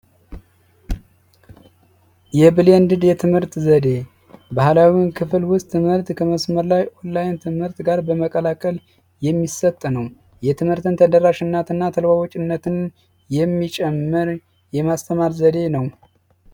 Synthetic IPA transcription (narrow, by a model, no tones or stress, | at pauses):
jɛbɨlend̪ɨd̪jɛt̪ʰɨmhɨɾt̪zəd̪e̞ | bahlawinkʰɨflwʊst̪ʰːɨmhɨɾt̪kʰəməsməɾlajʔolːajɪnt̪ʰɨmhɨɾt̪ɡaɾbəməkʼəlakʼəl | jɛmːisət̪ʼːnəw | jɛt̪ʰɨmhɨɾt̪ʰɨnt̪ʰəd̪əɾaʃɨnːat̪ɨnːat̪ʰəlwawot͡ʃʼɪnːət̪ʰɨn | jɛmːit͡ʃʼɛmːɨɾ | jɛmast̪ʰəmaɾzəd̪e̞nəw